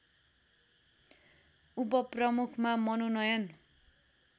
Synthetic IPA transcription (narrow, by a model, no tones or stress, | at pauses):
up̬ʌprʌmukʰmamʌnonʌjʌn